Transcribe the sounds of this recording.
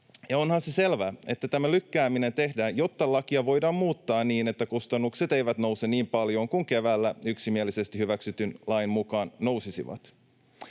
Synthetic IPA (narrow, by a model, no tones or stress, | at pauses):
jɑo̞nhɑnsese̞lʋæːe̞t̪ːæt̪æmælykːæːmine̞nt̪e̞hdæːjjo̞t̪ːɑlɑkiɑʋo̞jdɑːmmuːt̪ːɑːnniːne̞t̪ːækust̪ɑnːukset̪e̞jʋæt̪no̞wseniːmpɑljo̞ːŋkuŋke̞ʋæːlːæyksimielise̞st̪ihyʋæksyt̪ynlɑjnmukɑːnːno̞wsisḭʋɑ̰t̪